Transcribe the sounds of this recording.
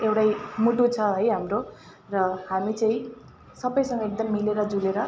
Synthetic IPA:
ewʈajmuʈut͡sʰʌɦʌjɦamro | rʌhamit͡saĩ | sʌbʌjsʌ̃ŋɡʌek̚d̪ʌmːileɾʌd͡zuleɾʌ

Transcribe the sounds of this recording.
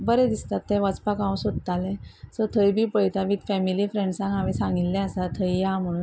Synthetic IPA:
bəɾẽd̪ist̪at̪ːẽʋəd͡zpakãw̃sod̪̚t̪alẽsəɾt̪ʰəjbʱiːpəjt̪aʋit̪fɛmilifɾeɳɖsãŋɡamisãŋɡilːɛ̃əsat̪ʰəjjam̤əɽuːn

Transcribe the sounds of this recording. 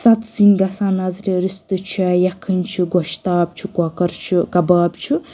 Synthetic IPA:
sɐt̪sinʲɡɐsaːnɐzɾiɾist̪ɨt͡ʃʰuɛjɐkʰːɨnʲt͡ʃʰuɡɔʃt̪aːb̚t͡ʃʰukɔkɐɾt͡ʃʰukɐbaːbt͡ʃʰu

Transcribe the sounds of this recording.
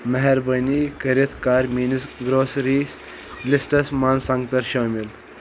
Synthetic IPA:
mɐɦɛɾbənikəɾit̪ʰkaːɾmiːnisɡɾoːsɾis | lisʈɐsmansãŋɡt̪ɐɾʃoːmil

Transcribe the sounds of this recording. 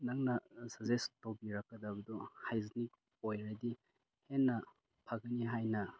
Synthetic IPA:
naŋnɐsɐzestobiɾɐkːɐdɐbɐdɔhajznik̚ | ojɾɐdi | henːɐ | pʰaɡɐniɦajnɐ

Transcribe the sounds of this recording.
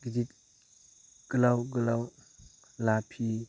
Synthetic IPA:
ɡidit | ɡ̥əlawɡəlaw | lapʰi

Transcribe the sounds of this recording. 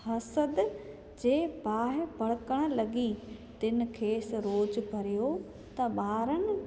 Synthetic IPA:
hɐsəd̪ | d͡ʑeːbaːɦɪpɐɽəkəɽ̃lɐɡit̪ɪnɪ̆kʰeːsɾoːd͡ʑbʱɐɾijo | t̪ɐɓaːɾənɪ̆

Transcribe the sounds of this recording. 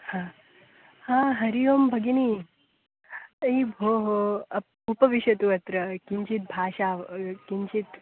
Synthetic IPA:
hãː | hãːɦɐɾijoːmbʱɐɡiniː | ibʱoːɦoɐ | upɐʋiʃɐt̪uʋɐt̪ɾɐkiɲt͡ʃit̪̚bʱaːʃaːkiɲt͡ʃit̪

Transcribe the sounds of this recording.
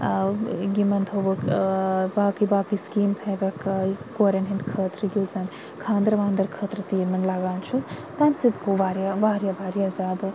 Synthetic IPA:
ɡimɐnt̪ʰoʋɐkbaːkibaːkiskiːmt̪ʰɐʋʲɐkkoːɾʲɐnɦind̪kʰət̪ɾɨɡʲuːzɐn | kʰãːnd̪ɾɐʋaːnd̪ɐɾkʰɐt̪ɾɐt̪iːmɐnlaɡaːnt͡ʃʰut̪ɐmsid̪koʋaːɾjabaːɾjabaːɾjazaːd̪

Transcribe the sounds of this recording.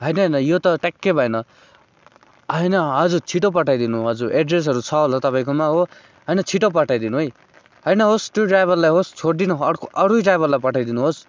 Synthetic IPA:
ɦʌjnʌɦʌjnʌjot̪ʌʈakːebʱʌenʌ | ɦʌjnʌɦʌd͡zut͡sʰiʈop̬ʌʈʰajd̪inuɦʌd͡zuʔeɖres̬ɦʌɾut͡sʰʌɦolʌt̪ʌpaĩkomaɦo | ɦʌjnʌt͡sʰiʈop̬ʌʈʰajd̪inuɦoj | ɦʌjnʌɦosʈiʈrajbʌlːajɦost͡sʰoɽd̪inuʌɽkʔʌɽujʈrajbʌlajpʌʈʰajd̪inuɦos

